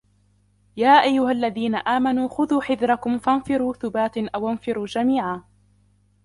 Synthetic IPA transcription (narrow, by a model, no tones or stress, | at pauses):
jaːʔajːʊhalːaðiːnaʔaːmanuːxʊðuːħɪðɾɑkʊmfanfɪɾuːθʊbaːt̪nʔawanfɪɾuːd͡ʒamiːʕaː